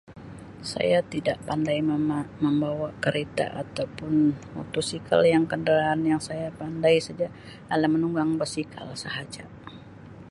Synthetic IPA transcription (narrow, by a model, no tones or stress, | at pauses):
sa̰jat̪idaʔpandajməmbawakəɾet̪a̰ʔa̰t̪awpʊnmo̰t̪usikʰa̰ljaŋkəndaɾaːnjaŋsajapandajsad͡ʒa | alamənuŋɡaŋbərsikʰa̰lsaɦad͡ʒa